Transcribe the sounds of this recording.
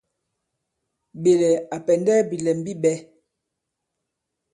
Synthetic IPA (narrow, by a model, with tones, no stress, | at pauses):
ɓe˨lɛ˨a˨pɛ˨ndɛː˦bi˨lɛ˨m˦bi˦ɓɛ˦